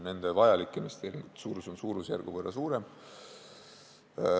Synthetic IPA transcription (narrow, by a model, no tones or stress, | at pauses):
ne̞nd̪̥e̞vɑjɑlikːˑemest̪elsuːɾuso̞nsuːɾusjærɡ̥uvɤrːʔɑsuːɾe̞m